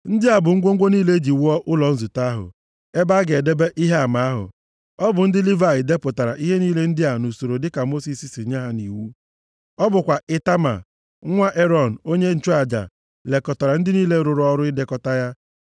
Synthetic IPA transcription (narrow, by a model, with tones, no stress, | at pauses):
n̩˦dɪ˦a˨bʊ˨ŋ̩˦ɡʷo˦ŋ̩˦ɡʷo˦niː˦le˦d͡ʒi˨wɔ˦ʔʊ˦lɔ˨n̩˦zu˨ta˦ɦʊ̰˨ | e˦ba˦ɡe˨de˦be˦ʔi˦ɦe˦a˨ma˨a˦ɦʊ̰˨ | ɔ˦bʊ˨n̩˦dɪ˦li˦va˦˨jɪ˨de˦pʊ˨ta˨ɾa˨ʔi˦ɦe˦niː˦le˦n̩˦dɪ˦a˨nu˨so˨ɾo˨dɪ˦ka˨mo˦si˨si˨si˨˦ɲa˦ɦa˨ni˨wu˦ | ɔ˦bʊ˨kʷa˨ʔɪ˦ta˦ma̰˨˦ | ŋʷa˦ʔe˦ɾɔ˦˨n̩˨o˦ɲe˦n̩˨t͡ʃu˦a˨d͡ʒa̰˨ | le˨kɔ˨ta˨ɾa˨n̩˦dɪ˦niː˦le˦ɾʊ˨ɾʊ˦ɔ˦ɾʊ˦ɪ˦de˦kɔ˦ta˦ja˦